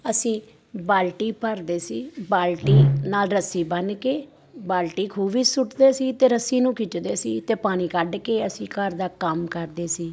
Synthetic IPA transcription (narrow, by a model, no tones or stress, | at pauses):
əsĩː | baːlʈiːpəɾd̪eːsiːbaːlʈiːnaːlɾəsiːbənkeː | baːlʈiːkʰuːbiːsʊʈd̪eːsiːt̪eːɾəsiːnũːkʰɪt͡ʃd̪eːsiːt̪eːpaːñĩːkəɖkeːəsĩːkəɾd̪aːkəmkəɾd̪eːsiː